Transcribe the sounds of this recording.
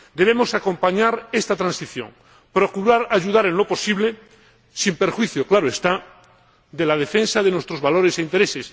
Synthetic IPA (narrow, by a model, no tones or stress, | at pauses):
d̪e̞β̞e̞mo̞sako̞mpaɲaɾe̞st̪at̪ɾãnsiθjo̞̰ŋ | pɾokuɾaɾaʝuðaɾe̞nlo̞po̞siβle̞ | simpeɾxwiθjo̞klaɾoest̪a | d̪e̞lað̞e̞fe̞nsaðe̞nwe̞st̪ɾo̞zβalo̞ɾe̞seint̪e̞ɾe̞ses